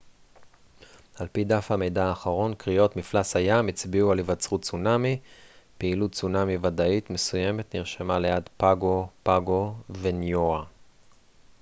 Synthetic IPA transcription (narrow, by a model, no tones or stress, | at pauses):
halpidafhame̞jdaːχaʁo̞nkʁijo̞tmiflashajamit͡sbiualivat͡sʁutt͡sunamipeilut̚t͡sunamivadaitme̞suje̞metniʁʃemalejadpaɡo̞paɡo̞venjoa